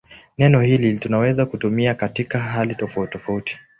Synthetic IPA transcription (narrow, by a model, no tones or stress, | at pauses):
nɛnɔhilitunawɛzakutumiakatikaɦalitɔfautːɔfauti̥